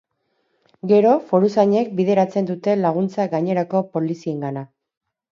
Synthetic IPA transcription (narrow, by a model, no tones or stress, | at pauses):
ɡe̞ɾo̞fo̞ɾusaɲe̞k̚bið̞e̞ɾat͡se̞nd̪ut̪e̞laɣ̞unt͡saɡaɲe̞ɾako̞po̞lisie̞ŋɡana